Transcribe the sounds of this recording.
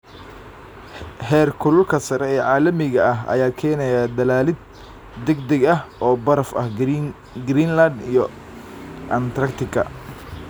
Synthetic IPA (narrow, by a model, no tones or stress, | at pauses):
hɛːrkʰʊlʊlkʰɐsɐɾɛɛːʕɑːlɐmɪɣɐɐɦɐ̰jaːkʰɛːnɛjaːd̪ɐlaːlɪd̪̚ | d̪ɛɡd̪ɐɡɐɦʔɔːbɐɾɐfɐ̰h | ɡɾiːnlɐd̪ijɔ | ʔɐnt̪ʰɾɐkt̪ʰɪɡʰɐ̰